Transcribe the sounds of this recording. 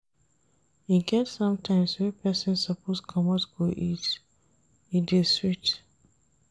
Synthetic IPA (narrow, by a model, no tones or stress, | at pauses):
iɡɛtsʌ̃mtʰãɪ̃mswɛpʰɛsɪ̃nsapʰoskʰɔmɔtɡoʔit | ideswit